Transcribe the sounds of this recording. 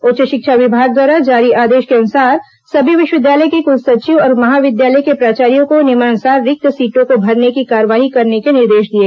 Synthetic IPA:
oːt͡ʃəʃɪkʃʰaʋɪbʱaːɡ̚d̪waːɾad͡ʒaːɾiʔaːd̪eːʃkeɐnʊsaːɾ | sɐbʱiʋɪʃwəʋɪd̪jaːləjkekʊlsɐt͡ʃiʋɔːɾmɐɦaːʋɪd̪jaːləjkepɾaːt͡ʃaːɾijõkonɪmaːnsaːɾːɪk̚t̪əsiːʈõkobʱɐɾnekikaːɾəʋaːɦikɐɾnekenɪɾd̪eːʃd̪ie

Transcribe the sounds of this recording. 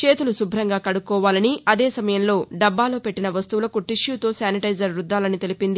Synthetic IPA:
t͡ʃe̞ːt̪ulusubʱɾɐŋɡaːkɐɽukːɔːʋaːlɐniʔɐd̪eːsɐmɐjɐmlo̞ːɖɐbːaːlo̞ːpe̞ʈːinɐʋɐst̪uʋulɐkuʈiʂjuːt̪o̞ːsaːniʈɐjd͡ʒɐɾɾud̪ːaːlɐnit̪e̞lipind̪i

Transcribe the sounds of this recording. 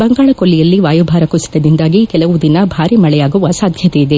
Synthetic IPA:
bɐŋɡaːɭɐkolːijɐlːiʋaːjubʱaːɾɐkusi̥d̪ɐd̪ind̪aːɡikɛlɐʋud̪inɐbʱaːɾimɐɭɛjaːɡuʋɐsaːd̪ʱjɐt̪ejid̪e

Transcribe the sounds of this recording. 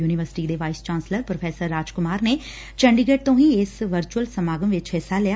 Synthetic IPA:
juːniʋəɾsʈiːd̪eːʋaːɪst͡ʃãːnsləɾpɾopʰeːsəɾːaːd͡ʒkʊmaːɾneː | t͡ʃəɳɖiɡeːʈ̚t̪õːɦĩɪsʋəɾt͡ʃuəlsəmaːɡəmʋɪt͡ʃɦesalɪja

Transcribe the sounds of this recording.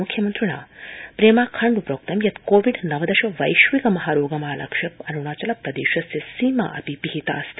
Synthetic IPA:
mukʰjɐmɐnt̪ɾuɳa̰ːpɾeːmaːkʰɐɳɖupɾoːk̚t̪ɐmjɐt̪koːʋiɖnɐʋɐd̪ɐʃɐʋɐjʃʋikɐmɐɦaːɾoːɡɐmɐɦalɐ̰kʂɐpɐnuɳaːt͡ʃɐlɐpɾɐd̪ḛːʃɐsjɐsiːma̰ʔɐ̰pipiɦit̪a̰ːst̪

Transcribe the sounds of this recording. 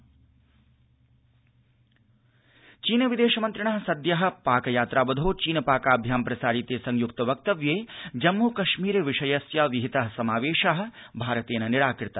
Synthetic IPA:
t͡ʃiːnɐʋid̪eːʃɐmɐnt̪ɾiɳɐɦɐsɐd̪jɐɦɐ̆paːkɐjaːt̪ɾaːbɐd̪ʱoːt͡ʃiːnɐpaːkaːbʱjaːmpɾɐsaːɾit̪eːsɐŋjukt̪ɐʋɐk̚t̪ɐʋjeːd͡ʒɐmːuːkɐʃmiːɾeːʋiʂɐjɐsjaːʋiɦit̪ɐɦɐ̆sɐmaːʋeːʃaɦɐ̆bʱaːɾɐt̪eːnɐniɽaːkɾɪt̪ɐ

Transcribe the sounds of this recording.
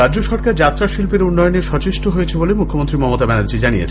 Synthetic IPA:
ad͡ʑoʃɔɾkaɾd͡ʑat̪ːɾaʃilpeɾunːɔjoneʃɔt͡ɕeʃʈoɦojet͡ɕʰebolemukʰːomont̪ɾimɔmot̪abɛnaɾd͡ʑid͡ʑanijḛt͡ɕʰe

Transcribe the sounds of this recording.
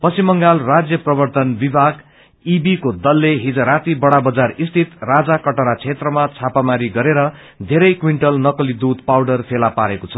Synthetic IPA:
pʌsimʌŋɡalrad͡zjʌprʌbʌrt̪ʌnbibʱaɡ | ibikod̪ʌlːeɦid͡zʌɾat̪ibʌɽabʌd͡zarist̪ʰit̪rad͡zakʌʈʌɾat͡sʰet̪rʌmat͡sʰapamaɾiɡʌɾeɾʌ | d̪ʱeɾʌjkwiɳʈʌlnʌkʌlid̪ud̪pawɖʌrpʰelapaɾekot͡sʰʌ

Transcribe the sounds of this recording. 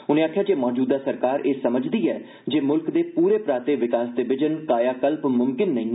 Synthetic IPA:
ʊnẽːaːkʰjaːd͡ʒeːmɔːd͡ʒuːd̪aːsəɾkaːɾeːsəməd͡ʒd̪iːɛː | d͡ʒeːmʊlkd̪eːpuːɾeːpɾaːt̪eːʋɪkaːsd̪eːbɪd͡ʒənkaːjaːkəlpmʊmkɪnːəĩː

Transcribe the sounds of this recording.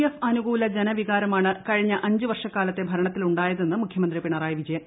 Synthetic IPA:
efɐnuɡuːlɐd͡ʑenɐʋiɣaːɾɐmaːɳɨkɐɻiɲːɐʔɐɲd͡ʑɨʋɐrʂɐkːaːlɐt̪ːe̞bʱɐɾɐɳɐt̪ːiluɳɖaːjɐðe̞nːɨmukʰjɐmɐnd̪ripiɳɐraːjɐʋid͡ʑɐjɐm

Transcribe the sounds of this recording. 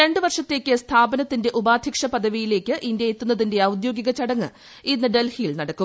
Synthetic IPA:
ɾe̞ɳɖɨʋɐrʂɐt̪ːe̞ːkʲːɨst̪ʰaːbɐnɐt̪ːinde̞ʔubaːd̪ʱjɐkʂɐpɐd̪ʱɐʋijile̞ːkʲːɨʔindjɐjet̪ːunːɐðinde̞ɐwd̪jo̞ːɡiɣɐt͡ɕɐɽɐŋːɨ | inːɨɖe̞lhijlnɐɽɐkːu

